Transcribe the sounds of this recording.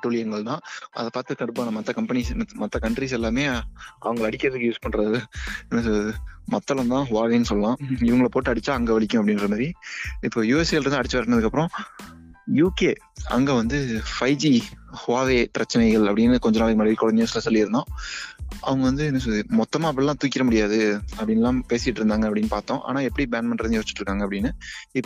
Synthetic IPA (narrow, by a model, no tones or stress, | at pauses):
ʈːuːɭɪjɐŋɡɐɭt̪ãːɐ̰ðɐpaːɾt̪ɯt̪ɐɽɯpːaːnɐmɐt̪ːɐkɐmpɐnimɐt̪ːɐkɐɳʈɾisɛlːaːmeːʔɐ̰ʋɐŋɡɐɭɐɽɪkːɪɾɐðɯkːɯjuːspɐɳːɾɐðɯɛnːɐsðɯmɐt̪ːɐlɐ̃nt̪ãːɦʊʋaːʋeːnːɯsɔlːɐlãːɪʋɐŋɡɐɭɐpoːʈːɯɐɽɪt͡ʃːaːɐŋɡɐʋɐɭɪkʲːʊ̃ɐpːɐɽɪnɾɐmaːɾiɪpːoːjuːɛsɐlɾnd̪ɐɽɪt͡ʃːɯʋɐɾʈːnːɐðɯkːɐpːɯɾɔ̃ | juːkeː | ɐ̰ŋɡeːʋɐnd̪ɯfɐɪd͡ʒihʊʋaːʋeːpɪɾɐt͡ʃːɐnɐɪɣɐɭɐpːɐɽɪnːɐkɔɲd͡ʒɐnaːlɯkːɯmɐɽɐʋikːɔɻɐnd̪ɪjoːslɐsɔlːiɪɾɯnd̪ãː | ɐ̰ʋɐŋɡɐʋɐnd̪ɯɛnːɐs̬ɐðɯmɔt̪ːɐmaːɪp̬ːɐɭlːãːt̪uːkʲːɪɾɐmʊɽɪjaːðɯɐpːɐɽɪnɛlãːpeːsɪʈːɾɯnd̪aːŋɡɐɐpːɐɽɪnːɯpaːɾt̪õːʔa̰ːnaːɛpːɐɽibaːnmɐnɾɯnd̪ɯjoːsɪt͡ʃɪ̥ʈːɾɯkːaːŋɡɐpːɐɽɪnːɯɪpː